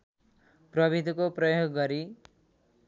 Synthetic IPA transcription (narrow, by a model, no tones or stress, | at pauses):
prʌbʱid̪ʱikoprʌjoɡɡʌɾi